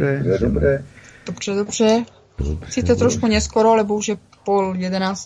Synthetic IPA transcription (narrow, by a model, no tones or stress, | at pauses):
ɛɛdobɾɛːd̪̥obr̝̥ɛdobr̝̥ɛ | siːt̪ɛt̪ɾoʃkuɲɛskoɾoalɛboɦuʒɛ | poljɛdɛnaːs